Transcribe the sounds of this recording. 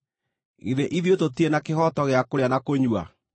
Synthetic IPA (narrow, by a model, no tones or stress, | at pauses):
ḭðeʔiðjototienakehɔtɔɣeakoɾeanakoɲwa̰